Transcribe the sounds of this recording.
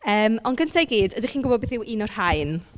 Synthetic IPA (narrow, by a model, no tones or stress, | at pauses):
əːmɔnɡəntʰajɡiːdədiχiːnɡʊbɔbeθɪwʔinɔr̥haɨn